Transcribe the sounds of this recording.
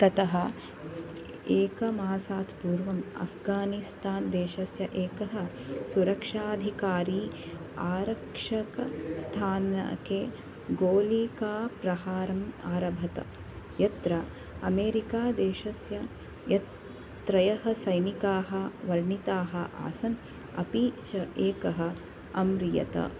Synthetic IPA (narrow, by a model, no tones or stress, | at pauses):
t̪ɐt̪ɐɦɐ | eːkɐmaːsaːt̪ʰpuːɾʋɐmɐ̰fʰɡaːnist̪aːnd̪eːʃɐsjɐʔeːkɐɦɐ̆ | suɾɐkʂaːd̪ʱikaːɾiː | aːɾɐkʂɐkɐst̪ʰaːnɐ̰keː | ɡoːliːkaːpɾɐhaːɾɐmaːɾɐbʱɐt̪ɐ̰ | jɐt̪ɾɐ | ɐmeːɾikaːd̪eːʃɐsjɐ | jɐ | t̪ɾɐjɐɦɐsɐjnikaːɦɐʋɐɾɳit̪aːɦɐʔa̰ːsɐn | ɐ̰piːt͡ʃɐʔeːkɐɦɐ̆ | ɐmɾijɐ̰t̪ɐ̰